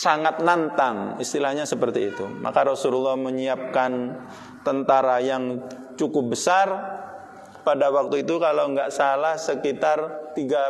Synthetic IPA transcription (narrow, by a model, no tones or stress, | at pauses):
saŋat̪̚nant̪aŋist̪ilahɲasəpərt̪iːt̪ṵmʔa̰kaɾɔsululːɔhməɲiap̚kan | t̪ənt̪aɾajaŋ | t͡ʃukʊp̚bəsar | padawak̚t̪uit̪ukalawŋɡaʔsalahsəkit̪art̪iɡa